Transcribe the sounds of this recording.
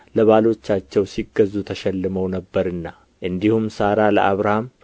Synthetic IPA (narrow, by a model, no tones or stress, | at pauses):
ləβalo̞t͡ʃːat͡ʃːɛwsiɡəzːut̪ʰəʃɛlːɨməwnəbːəɾɨnːa | ʔɨnd̪ihumsaɾaləʔaβɾaham